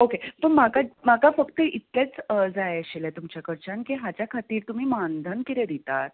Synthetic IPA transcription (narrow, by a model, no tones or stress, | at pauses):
okepəɳmakamakafəkt̪əʔit̪let͡səd͡zajɕilat̪umt͡ɕjakəɾt͡ɕankiɦat͡ɕjakʰat̪iːɾt̪um̤iːmand̪ʱənkiɾed̪it̪at̪̚